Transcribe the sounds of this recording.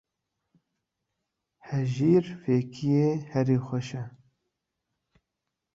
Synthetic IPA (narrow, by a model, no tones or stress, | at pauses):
hɛʒiːɾfeːkʰijeːhɛɾiːxʷɛʃɛ